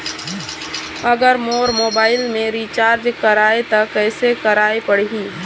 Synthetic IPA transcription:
əɡəɾmoːɾmoːbaːɪlmẽɾit͡ʃaːɾd͡ʒkəɾaːet̪əkɛːsekəɾaːepəɽ̤ɦiː

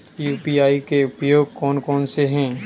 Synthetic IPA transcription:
juːpiaːikeʊpjoːɡ̚kɔːnkɔːnseɦɛ̃ː

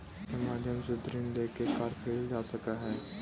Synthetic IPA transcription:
kemaːd̪ʱjəmsed̪ɾinleːkekaːɾpʰeːld͡ʒaːsɐkaɦɛː

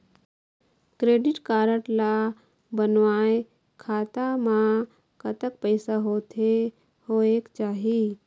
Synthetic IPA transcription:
kɾeːɖɪʈkaːɾəʈla | bənʋaːe | kʰaːt̪amã | kət̪ək̚pəɪsaɦoːt̪ʰe | hoeːkt͡ʃaːɦi

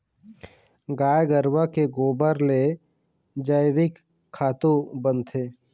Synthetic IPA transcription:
ɡaːjɡəɾwakeɡoːbəɾle | d͡ʒəjʋɪkʰː | aːt̪obə̃nt̪ʰeː

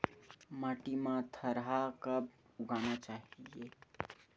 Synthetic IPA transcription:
maʈimãt̪ʰəɾɦakəb | uɡanat͡ʃaɦije

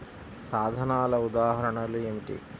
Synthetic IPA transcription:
saːd̪ʱɐnaːlɐud̪aːɦɐɾɐɳɐluemiʈḭ

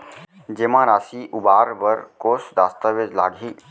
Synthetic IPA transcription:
d͡ʒemãːɾaːsiʔʊbaːɾbəɾkoːsd̪aːst̪əʋed͡ʒlaːɡɦiː

